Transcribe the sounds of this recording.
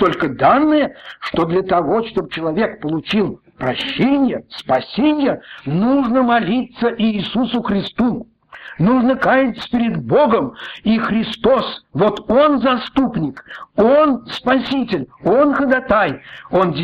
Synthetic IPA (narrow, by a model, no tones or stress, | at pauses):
t̪o̞lʲkəd̪anːɨjəʂt̪od̪lʲət̪ɐvo̞t͡ɕt̪obət͡ɕɪlˠɐvʲekpəlˠʊt͡ɕilˠ | pɾɐɕːenʲɪjəspɐsʲenʲɪjənuʐnəmɐlʲit̪səʔiːsusʊxɾʲɪst̪u | nuʐnəkajɪt̪sə̥pʲɪɾʲɪd̪bo̞ɡəmixɾʲɪst̪o̞svo̞t̪onzɐst̪upnʲɪkonspɐsʲitʲɪlʲo̞nxəd̪ɐt̪ajo̞ndʲ